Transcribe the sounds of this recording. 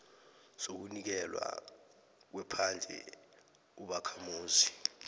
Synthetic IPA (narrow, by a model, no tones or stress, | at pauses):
sok̬unik̬ɛlwa̰ | k̬wɛpʰand͡ɮʱɛ̰ | uɓakʰamuːzi